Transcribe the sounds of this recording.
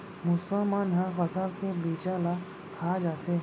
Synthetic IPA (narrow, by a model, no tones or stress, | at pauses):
mʊsəmaːnɦãxɐsaɾkebiːt͡ʃaːla | kʰaːd͡ʒaːt̪ʰe